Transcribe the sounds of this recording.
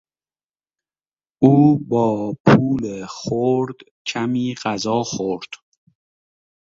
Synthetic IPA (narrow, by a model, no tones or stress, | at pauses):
ʔuːbɒːpʰuːlexoɾd̪̥ | cʰæmiːɢæzɒːxoɾd̪̥